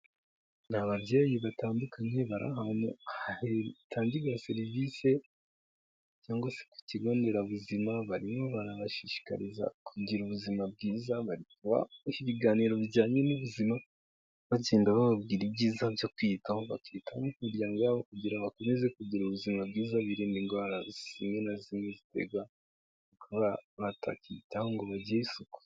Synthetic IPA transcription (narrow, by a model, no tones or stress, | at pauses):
naβaβjeːjiβataːndukʰaɲe̞βaɾʔa̰ɦanṵhahetʰaːɲɟiɡase̞ɾivise̞ | caːŋɡose̥ku̥ciɡo̞ːnde̞ɾaβuzimaβaɾimo̞βaɾaβaʃiʃi̥ka̰ɾiza̰kuɟiɾuβuzimab̚ɡiːzaβaɾikuβa̰iβiɡaːniɾo̞βiɟaːɲe̞nuβuzima | βaɟeːndaβaβabɡiɾibɟiːzabjo̞kwiːtahoβa̰kiːtamuhuɾjaŋɡaβokuɟiɾaβako̞me̞ze̞kuɟiɾuβuzimab̚ɡiːzaβiɾiːndiŋɡwaːɾaz̥imenazimezitḛɡwa | kuβaβatʰa̰kiːtahoŋɡo̞βaɟijeisuko̥